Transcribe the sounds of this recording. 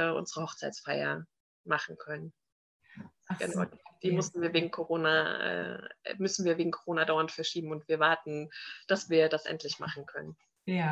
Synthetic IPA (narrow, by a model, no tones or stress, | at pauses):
ʔʊ̰nzəʁəhɔχt͡saɪtt͡ssfaɪɐ̰ | maχn̩kʰœnən | ɡ̥əna̰ʊd̥iːmʏstn̩viːɐveːɡŋ̩kʰoʁoːnaʔɛ̰ːmʏsn̩viːɐveːɡŋ̩kʰoʁoːnadaʊɐntfɛɐʃiːbm̩ʊntv̥iːɐvaɐtn̩d̥asv̥iːɐdasʔɛ̰ntlɪçma̰χn̩kʰœnən